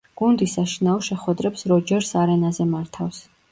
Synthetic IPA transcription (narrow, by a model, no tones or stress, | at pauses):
ɡ̥und̪isaʃinaɔʃɛχwɛd̪ɾɛpsɾɔd͡ʒɛɾsaɾɛnazɛmaɾt̪ʰafs